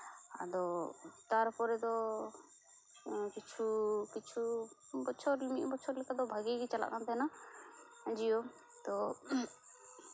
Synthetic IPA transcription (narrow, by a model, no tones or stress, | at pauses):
a̰d̪ɔt̪aɾpɔɾɛd̪ɔ | kit͡ʃʰukit͡ʃʰubɔt͡ʃʰɔɾlimiʔ̪̚bɔt͡ʃʰɔɾlɛkad̪ɔbʱaɡiɡit͡ʃala̰ʔkant̪ɛna | d͡ʒijɔ | t̪ɔ